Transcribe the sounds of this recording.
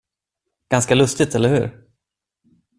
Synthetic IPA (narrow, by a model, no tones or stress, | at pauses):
ɡ̥anskalɵst̪ɪt̪ʰɛlːəɾhʉ̟̰ːɾ